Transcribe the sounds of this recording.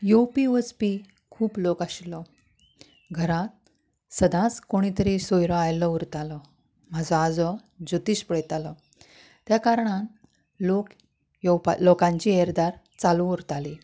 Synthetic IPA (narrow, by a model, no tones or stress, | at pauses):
jopiospi | kʰuːplokaɕlɔ | ɡʱəɾat̪̚ | səd̪ʱãt͡skoɽ̃it̪əɾisojɾɔ̃ajlɔuɾt̪alɔ | mad͡zɔad͡zɔ | d͡ʑut̪iːɕpəɽɛt̪alɔ | t̪jakaɾɳan | lok | jpalokãɲt͡ɕieɾd̪aɾ | t͡salũuɾt̪ali